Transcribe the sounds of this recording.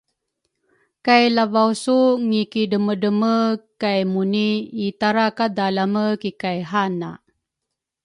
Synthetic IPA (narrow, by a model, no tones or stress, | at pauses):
kajlavawsuŋikidəmədəməkajmuniːtaɾakadalaməkikajɦana̰